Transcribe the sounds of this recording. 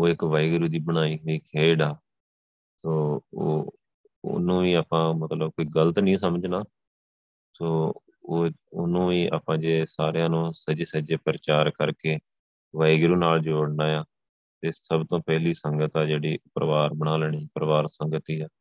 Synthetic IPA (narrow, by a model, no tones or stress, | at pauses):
oːɪkʋaːɪɡɾuːd̪iːbəɽ̃aːiːɦoːiːkʰeːɖaː | soːo̰ː | nũːʋiːaːpãːmət̪ləb̚koːiːɡələt̪nĩːsəməd͡ʒnaː | soː | oːʊ̰nũːʋiːʔa̰ːpãːd͡ʒeːsaːɾjãːnũːsəd͡ʒeːsəd͡ʒeːpəɾət͡ʃaːɾkəɾkeː | ʋaːɪɡɾuːnaːld͡ʒoːɽnaːjaː | t̪eːsəbt̪õːpɛːliːsəŋɡət̪aːd͡ʒeːɽiːpɾəʋaːɾbəɽ̃aːlɛːɽ̃iːpəɾəʋaːɾsəŋɡət̪iːaː